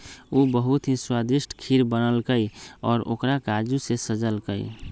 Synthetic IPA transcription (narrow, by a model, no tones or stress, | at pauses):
ubəɦut̪ɦĩswad̪iʃʈʰkʰiɾbənəlkəiɔːɾo̰ːkɾakad͡ʒusesəd͡ʒəlkəḭ